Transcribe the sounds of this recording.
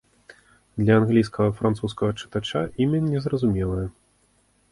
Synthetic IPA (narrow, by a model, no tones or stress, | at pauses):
d̪lʲɐanɣlʲijskɐɣɐfɾant̪suskɐɣɐt͡ʂɨ̥t̪at͡ʂaʔimʲɐnʲːɛzrɐzumʲɛlˠɐjɛ